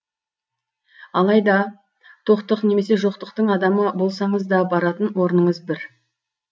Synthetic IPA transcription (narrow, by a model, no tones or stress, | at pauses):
ɑlˠɑjd̪ɑ | t̪ʰo̞qt̪əqne̞me̞se̞ʒo̞qt̪əqt̪əɴɑd̪ɑməbo̞lˠsɑɴəzd̪ɑbɑɾɑt̪ənwo̞ɾnəɴəzbɪɾ